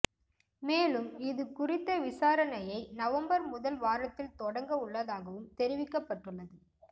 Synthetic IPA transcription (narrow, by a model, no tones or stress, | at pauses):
meːlɯmɪðɯkʊrɪt̪ːɐʋɪsaːɾɐnɐjɐɪnɐʋɐmbɐɾmʊðɐlʋaːɾɐt̪ːɪlt̪ɔɽɐŋɡɐʊɭːɐðaːɣɐʋɯmt̪ɛɾɪʋɪkːɐpːɐʈːɯɭːɐðɯ